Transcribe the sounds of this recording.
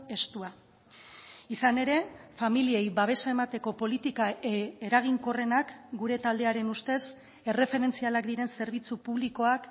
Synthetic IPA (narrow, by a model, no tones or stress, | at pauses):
e̞st̪ua | isane̞ɾe̞familie̞jβaβ̞e̞sae̞mat̪e̞ko̞po̞lit̪ikaeɾaɣ̞iŋko̞re̞nakɡuɾe̞t̪ald̪e̞aɾe̞nust̪e̞s | e̞re̞fe̞ɾe̞nt͡sialakd̪iɾe̞nse̞ɾβ̞it͡supuβliko̞ak